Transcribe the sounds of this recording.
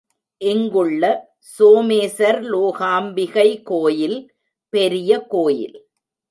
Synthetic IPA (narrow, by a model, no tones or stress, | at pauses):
ʔɪŋɡɯɭːɐ | soːmeːsɐɾloːɣaːmbɪɣɐɪkoːjɪl | pɛɾɪjɐkoːjɪ̰l